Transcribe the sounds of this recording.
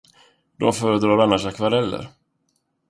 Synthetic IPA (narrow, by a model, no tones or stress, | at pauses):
d̪̥ɔ̰mfœːɾəd̪ɾɑːɾanːaʂakvaɾɛlːə̰ɾ